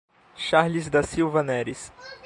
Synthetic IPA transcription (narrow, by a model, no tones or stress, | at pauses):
ʃaɾlizd̪ɐsiwvɐnɛɾis